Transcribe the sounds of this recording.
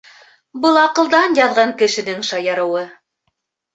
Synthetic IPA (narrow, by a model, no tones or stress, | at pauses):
bɤlˠɑqɤ̆lˠd̪ɑnjɑðʁɑŋkɘ̆ʃɘ̆nɘŋʃɑjɑɾɤ̆wɤ